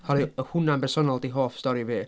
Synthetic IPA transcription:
hɔɾiəhʊnambɛrsɔnɔlˠdiɦoːfstɔɾiviː

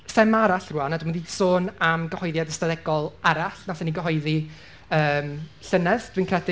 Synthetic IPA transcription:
sɛmaɾaɬruanadwmnðiːd̥soːnamɡəhɔjðjadəstaðɛɡɔlˠaɾaɬnasɛniɡəɦɔjði | əːmɬənəðd̥wiːnkʰrɛdɪ

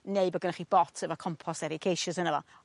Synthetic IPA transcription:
neɨbɔɡənaχib̥ɔtʰəvakʰɔmpʰɔsɛɾɪkʰejʃəsənəvɔ

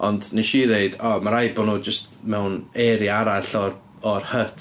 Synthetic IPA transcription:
ɔndniʃiːðeɨdɔmaɾajbɔnuːd͡ʒəstmɛwnɛɾiaɾaɬɔr | ɔrhətʰ

